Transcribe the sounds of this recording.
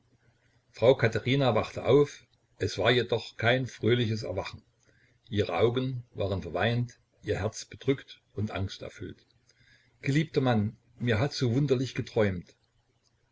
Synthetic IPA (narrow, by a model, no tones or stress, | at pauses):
fʁ̥aʊkʰataʁiːnavaχtəʔaʊf | ʔɛsv̥aːɐjedɔχkʰaɪnfʁ̥øːlɪçəs̬ɛ̰ɐvaχn̩ | ʔiːʁəʔaʊɡənvaːʁənfɛɐvaɪnt | ʔiːɐɦɛɐt͡sb̥əd̥ʁʏkt | ʊntʔa̰ŋstɛ̰ɐfʏlt | ɡ̥əliːp̚tɐman | miːɐɦatz̥oːvʊndɐlɪçɡ̥ətʁ̥ɔʏmt